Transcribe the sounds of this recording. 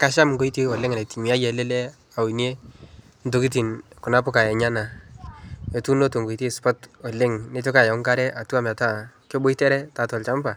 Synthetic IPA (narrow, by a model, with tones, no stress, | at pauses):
ka˦ʃa˦mŋɡo˦i˦te˦ɔ˨lɪ˦ŋa˨na˨ti˨mi˨a˦jɛ˨le˦lɛ˦ | a˨u˨nje˦ | ndo˨ki˦t̬i˨nkʊ˨na˦pʊ˦ka˨jɛ˨ɲa˦na˨ | e˨tu˦no˦to˨ŋɡo˨i˨te˦spɔ˦tɔ˨lɪ˦ŋne˦to˦ka˨ja˨ʊ˦ŋka˦ɾɛ˦a˨tu˦a˦m˨a˨ta˨kjo˦bo˦i˦tɛ˦ɾɛ˦ta˨tɔ˨lt͡ʃa˦mba˨